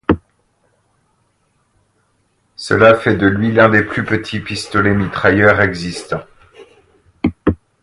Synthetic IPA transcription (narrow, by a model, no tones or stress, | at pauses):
sə̰lafɛd̪əlɥilɛ̃d̪eplypət̪ʰipist̪ɔlemit̪χajœʁɛɡzist̪ɑ̃